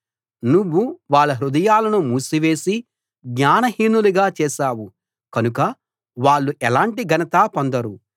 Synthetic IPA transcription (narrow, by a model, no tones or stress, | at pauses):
nuʋːuʋaːɭːɐɦɾud̪ɐjaːlɐnumuːsiʋe̞ːsi | ɡɲaːnɐɦiːnːuluɡaːt͡ʃɛːʃaːwu | kɐnukɐ | ʋaːɭːuʔɛlaːɳʈiɡɐnɐt̪aːpond̪ɐɾu